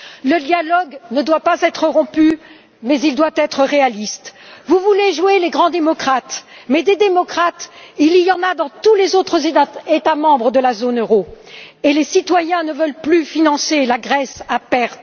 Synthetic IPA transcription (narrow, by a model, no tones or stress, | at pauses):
ləd̪jalɔɡnəd̪wapazɛt̪χəʁɔ̃py | mɛzild̪wat̪ɛt̪χəʁealist̪vuvuleʒweleɡʁɑ̃d̪emɔkχat̪mɛd̪ed̪emɔkχat̪ilijɑ̃nad̪ɑ̃t̪ulezot̪χəzet̪amɑ̃bʁəd̪əlazonøʁoelesit̪wajɛ̃nəvœlplyfinɑ̃selaɡʁɛsapɛʁt̪